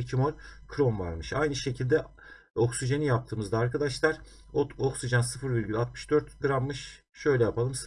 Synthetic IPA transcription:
cʰimolʲkʰɾo̞nva̰ɾmɯʃajnɯʃe̞cʰilʲd̪ɛ | o̞ksiʒanijap̚t̪ʰɯːmɯzd̪aːɾkad̪aʃlˠaɾ̥ | oksiʒansɯfɯɾviɾʲɟylʲat̪̚mɯ̥ʃd̪ø̞ɾt̪ɡɯɾamːɯʃ | ʃø̞jlʲɛjapʰalˠɯms

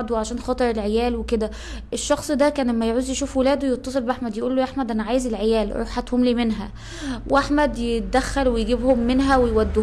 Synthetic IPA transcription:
d̪wʕaʃæːnxɑt̪ˤɑɾˤelʕejæːlweked̪æ | ʔeʃːɑxsˤd̪ækæːnlæmːæjʕuːzjeʃuːfwelæːd̪owejet̪ˤːɑsˤelbeʔaħmæd̪jeʔuːlːojʔaħmæd̪ʔænæʕaːjezelʕejæːlɾˤṵħat̪homliːmenɦæ̰ | weʔaħmæd̪jet̪̚d̪æxːælwejɡibhomːenɦæwejwæd̪ː

